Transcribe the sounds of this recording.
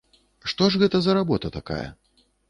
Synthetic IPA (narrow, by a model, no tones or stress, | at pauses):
ʂt̪ɔʐɣɛt̪ɐzɐɾabɔt̪ɐt̪aka̰jɐ̰